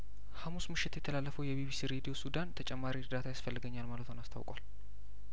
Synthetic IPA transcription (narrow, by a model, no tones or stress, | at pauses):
hamusmɨʃːɪt̪jɛt̪ʰəlalːəfəwjɛbiβisiɾed̪ijo̞sud̪ant̪ʰət͡ʃʼɛmːaɾiɾd̪at̪ʰajasfəlːɨɡəɲːalmalət̪honast̪ʰa̰wkʼwal